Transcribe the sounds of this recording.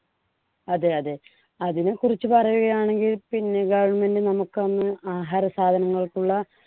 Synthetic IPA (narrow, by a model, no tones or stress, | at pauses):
ɐðe̞ɐðe | ɐðinɨkurit͡ɕːɨpɐrɐjuɣɐjaːɳe̞ŋɡilpinːe̞ɡɐʋɐɳme̞ndɨnɐmukːɨʋɐnːɨaːɦaːɾɐsaːd̪ʱɐnɐŋːɐɭkːuɭːɐ